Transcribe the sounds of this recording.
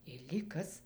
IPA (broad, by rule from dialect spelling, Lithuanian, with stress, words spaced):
ɪr lʲiːk ˈkɐs